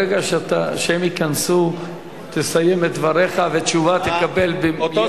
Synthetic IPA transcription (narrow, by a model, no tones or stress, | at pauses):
eɡaʃat̪aʃeemikansu | t̪esajemet̪̚d̪vaʁe̞χavet͡ʃuvat̪ekabe̞lbe